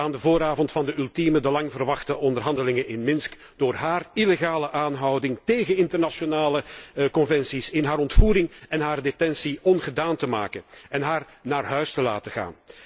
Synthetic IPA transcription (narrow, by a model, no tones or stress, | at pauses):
aːndəvoːɾaːvɔntfɑndəylˠtimədəlɑŋvərʋɑxtəʔɔndərɦɑndəlɪŋənɪnmɪnsk | d̥oːrɦaːrileɣaːləʔaːnɦɑwdɪŋteːɣənɪntərnasonaːləkɔnvɛnsisɪnɦaːɾɔntfuːɾɪŋɛnɦaːrdetɛnsiɔnɣədaːntəma̰ːkənɛnɦaːr | naːrɦœɥstəla̰ːtəɣa̰ːn